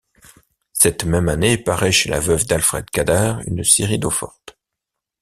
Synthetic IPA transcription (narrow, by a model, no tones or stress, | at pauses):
sɛt̪mɛmanepaʁɛʃela̰vœvd̪alfχɛ̰d̪kad̪aʁy̰nseʁid̪ofɔʁt̪